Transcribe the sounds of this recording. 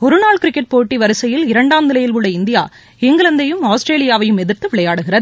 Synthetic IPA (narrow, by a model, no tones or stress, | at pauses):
ɔɾɯnaːɭkɪɾɪkːɛʈ̚poːʈːiʋɐɾɯsɐjɪlɪɾɐɳɖaːmd̪ɪlɐjɪlʋɯɽɐɪnd̪ɪja̰ː | ɪŋɡɐɭɐnd̪ɐjɯmaːsʈɾeːlɪjaːʋɐjɯmɛðɪɾt̪ɯʋɪɭɐjaːɽɯɣɪrɐðɯ